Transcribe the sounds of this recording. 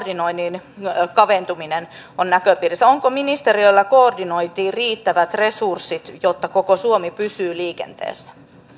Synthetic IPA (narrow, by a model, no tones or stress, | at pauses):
rdinoinːinkɑʋent̪uminen | onnækøpiːrisːæoŋkominist̪eriølːɑkoːrdinoit̪iːriːt̪ːæʋæt̪resursit̪jot̪ːɑkokosuomipysyːliːkḛnt̪ḛːsːæ̥